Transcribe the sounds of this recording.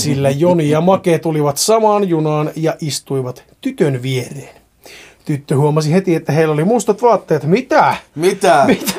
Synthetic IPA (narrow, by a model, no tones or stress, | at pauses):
silːæjoniɑmɑkeːt̪uliʋɑt̪sɑmɑːnjunɑːnjɑʔist̪uiʋɑt̪t̪yt̪ønʋiereːn | t̪yt̪ːøhuomɑsihet̪iet̪ːæheilːolimust̪ɑt̪ʋɑːt̪ːeːt̪mit̪æmit̪æmit̪æ